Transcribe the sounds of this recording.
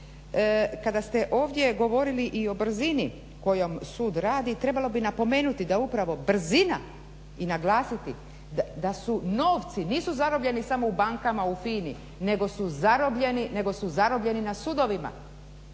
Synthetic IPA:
kad̪ast̪e̞ʔo̞ːʋd̪je̞ɡo̞ʋo̞ɾiliʔio̞br̩zini | ko̞jo̞msuːd̪ɾaːd̪it̪ɾe̞balˠo̞binapo̞me̞ːnut̪id̪aupɾaʋo̞br̩zina | inaɡlˠaːsit̪i | d̪d̪asuno̞ːʋt̪siniːsuzaɾo̞bʎe̞nisamo̞ubaŋkamaufiːni | ne̞ɡo̞suzaɾo̞bʎe̞nine̞ɡo̞suzaɾo̞bʎe̞ninasud̪o̞ʋima̰

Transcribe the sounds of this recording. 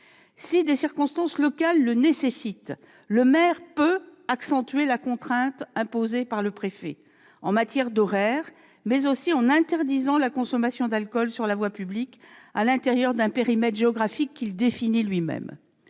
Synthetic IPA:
sid̪esiʁkɔ̃st̪ɑ̃slɔkalːənesesit̪ | ləmɛʁpøaksɑ̃t̪ɥelakɔ̃t̪χɛ̃t̪ɛ̃pozepaʁləpχefɛ̰ | ɑ̰̃mat̪jɛʁd̪ɔʁɛːʁ | mɛzosiɑ̃nɛ̃t̪ɛʁd̪izɑ̃lakɔ̃sɔmasjɔ̃d̪alkɔlsyʁlavwapyblikalɛ̃t̪eʁjœʁd̪ɛ̃peʁimɛt̪ʒeɔɡʁafikːild̪efinilɥimɛ̰m

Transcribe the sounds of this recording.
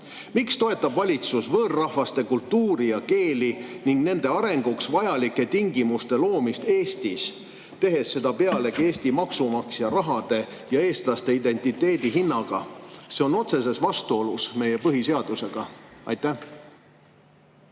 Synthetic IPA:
mikst̪o̞e̞t̪ːˑɑb̥vɑlʲit̪susvɤːrːɑhvɑst̪e̞kult̪ːuːɾijɑke̞ːliniŋɡ̥ne̞nd̪e̞ɑɾe̞ŋɡ̥uksvɑjɑlikːˑe̞t̪iŋɡimust̪e̞lo̞ːmist̪e̞ːst̪is | t̪e̞ɦe̞sːe̞d̪ɑpe̞ɑle̞ɡe̞ːst̪imɑksumɑksjɑɾɑɦɑd̪̥e̞ | jɑe̞ːst̪lɑst̪e̞id̪̥e̞nʲt̪ˑit̪ːˑe̞ːd̪̥iɦinːɑɡ̥ɑ̰se̞o̞no̞t̪se̞s̬e̞svɑst̪uo̞lusme̞je̞pɤɦise̞ɑd̪̥use̞ɡ̥ɑɑ̰jt̪ːæh

